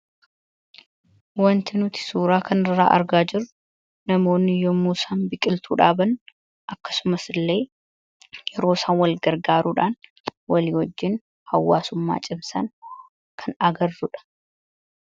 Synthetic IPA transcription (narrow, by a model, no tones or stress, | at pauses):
wɐnt̪ɪnʊt̪ɪ̥suːɾaːkʰɐnɪrːa̰ːʔɐ̰ɾɡaːd͡ʒɪɾːʊ | nɐmo̞ːnːɪjɔmuːsaːnbɪkʼɪlt̪ʰuːᶑaːbɐn | ʔɐkːɐ̥sʊmɐsɪlːe̞ː | jɛɾo̞ːsaːnwɐlɡɐɾɡaːɾuːᶑaːn | wɐliːhɔd͡ʒːɪn | hɐwːaːsʊmːa̰ːt͡ʃʼɪmsɐ̰n | kʰɐnɐɡɐrːʊᶑɐ̥